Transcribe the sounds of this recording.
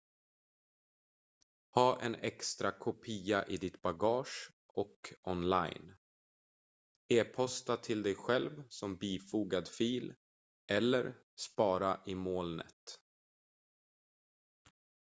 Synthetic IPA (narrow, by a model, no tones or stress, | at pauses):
hɑːʔɛ̰nɛkst̪ɾakʰʊpʰiːaʔɪd̪ɪt̪baɡɑːʂ | ʔɔkɔnla̰jn | eːpʰɔst̪at̪ʰɪld̪ɛjɧɛlvsɔmbiːfuːɡad̪fiːl | ɛlːəɾ | spɑːɾaʔɪmoːlnə̰t̪